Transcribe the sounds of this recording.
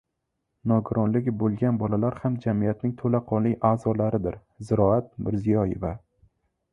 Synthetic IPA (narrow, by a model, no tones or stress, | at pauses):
nɒɡʊɾʔɒnlɪɡʲɪbolˠɡʲanbɒlalaɾhamd͡ʒamijat̪nɪŋt̪ʰolaqʰɒnlɪjʔaːzɒlaɾɪd̪ɪɾ | zɪɾɒat̪̚mɪɾzɪjɒjḛva